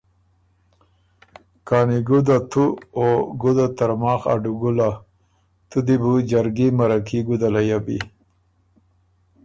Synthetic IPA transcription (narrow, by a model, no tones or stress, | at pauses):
kaːniɡud̪at̪ʰuoɡud̪at̪aɾmɑːxa̰ɖuɡula | t̪ud̪ibud͡ʑaɾɡimaɾakʰiɡud̪alajabḭ